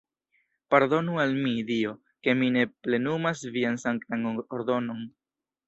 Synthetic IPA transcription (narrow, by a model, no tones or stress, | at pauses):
paɾdo̞nualmidio̞ | ke̞mine̞ple̞numasviansaŋkt̪anoɾd̪o̞no̞n